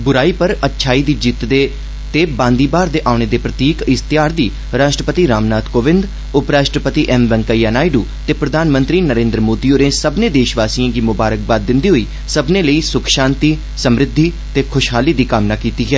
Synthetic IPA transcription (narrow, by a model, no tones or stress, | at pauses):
bʊɾaːiːpəɾətːʃʰaːiːd̪iːd͡ʒit̪d̪eː | t̪eːbãːnd̪iːbaːɾd̪eːʔaːʊɳ̃eːd̪eːpɾət̪iːkɪst̪ɪjaːɾd̪iː | ɾaːʃʈɾəpət̪iːɾaːmnaːt̪koːʋɪ̃nd̪ | ʊpɾaːʃʈɾəpət̪iːʔɛmʋɛŋkaijaːnaːiɖuːt̪eːpɾəd̪ʱaːnmə̃nt̪ɾiːnəɾẽːnd̪ɾəmoːd̪iːoːɾeːsəbnẽːd̪eːʃʋaːsiãːɡiːmʊbaːɾək̚baːd̪ːɪnd̪iːɦoiː | səbneːləiːsʊkʰʃãːnt̪iː | səmɾɪd̪ʱːiː | t̪eːkʰʊʃɦaːliːd̪iːkaːmnaːkiːt̪iːɦɛː